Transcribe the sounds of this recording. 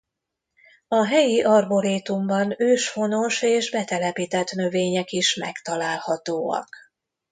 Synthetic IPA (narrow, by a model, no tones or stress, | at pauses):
ɒɦɛjiʔɒrboɾeːt̪umbɒnøːʃfo̞no̞ʃeːʒbɛt̪ɛlɛpiːt̪ɛt̪nø̞veːɲɛkiʃmɛ̰kt̪ɒlaːlhɒt̪oːɒ̰k